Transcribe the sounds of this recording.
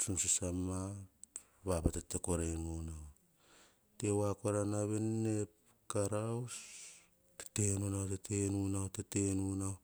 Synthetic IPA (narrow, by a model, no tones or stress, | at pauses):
sumsisama | βapatetekoɾenuna | tewakoɾanaβenːep | kaɾaws | te̥tenunawtetenunawtetenunaw